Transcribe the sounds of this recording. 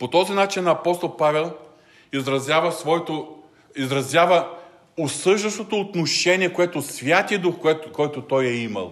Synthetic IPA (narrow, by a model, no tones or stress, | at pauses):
pot̪ɔzinat͡ʃinɐpɔst̪olˠpavɛlˠ | izɾɐzʲjavɐsvɔɛt̪o | izɾɐzʲjavə | osɤʒd̪ɐst̪ot̪oːt̪noʃɛniɛkoɛt̪osvʲjat̪iɐd̪uxɛkɔjt̪ot̪ɔjɛimɐ̰lˠ